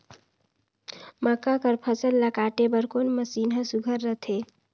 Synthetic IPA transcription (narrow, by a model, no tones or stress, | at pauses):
məkakəɾpʰəsəlːakaʈebəɾkonməsiːnɦə̃suɡʱəɾːət̪ʰe